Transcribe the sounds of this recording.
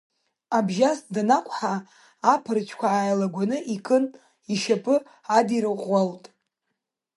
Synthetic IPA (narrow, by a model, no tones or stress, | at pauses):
abʒasdanakʷʼħaː | pʰɨrt͡ʃʷʰkʷʰaːjlaɡʷanɨʔikʼɨn | iʃapʼɨ | adiɾɨqʷʼːaltʼ